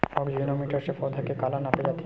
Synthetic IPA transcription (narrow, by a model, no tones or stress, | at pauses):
ɔɡd͡ʑinomiʈaɾʃefɔd̪ʱakekalanaped͡ʑat̪ʰːi